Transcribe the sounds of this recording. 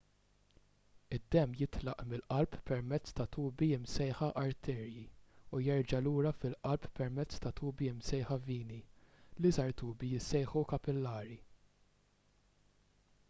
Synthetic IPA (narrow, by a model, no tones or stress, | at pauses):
ɪd̪ːɛmːjɪt̪lɐʔmɪlʔɐlppɛɾmɛt͡sːt̪ɐt̪uːbiɪmsɛjħɐʔɐɾt̪ʰɛːɾjiujɛɾd͡ʒɐluːɾɐfɪlʔɐlppːɛɾmɛt͡sːt̪ɐt̪uːbiɪmsɛjħɐviːnilizɐɾt̪uːbijɪsːɛjħukɐpɪlːɐːɾi